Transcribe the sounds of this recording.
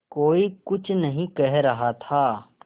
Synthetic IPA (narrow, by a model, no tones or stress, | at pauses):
koːikʊt͡ʃʰnɐɦĩkɛɦɾɐɦat̪ʰaː